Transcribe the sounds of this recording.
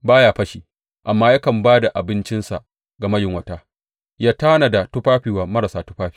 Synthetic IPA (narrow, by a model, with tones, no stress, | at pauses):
baː˦jaː˦ɸɐ˦ʃiː˨ | ʔa˨mːaː˦jɐ˦kɐ˨mbaː˦da˨ʔa˨bɪ˦nt͡ʃɪ˦nsa̰˨ʔ | ɡa˨mɐ˦jɪ˨ŋwɐ˦˨taː˦ | jaː˦ta˦na˨da˨tʊ˦ɸaː˦ɸiː˨waː˨mɐ˦ɾa˨saː˨tʊ˦ɸaː˦ɸi̥ː˨